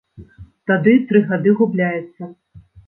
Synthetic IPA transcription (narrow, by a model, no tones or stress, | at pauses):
t̪ad̪ɨt̪ɾɨɣad̪ɨɣublʲajɛt̪sːɐ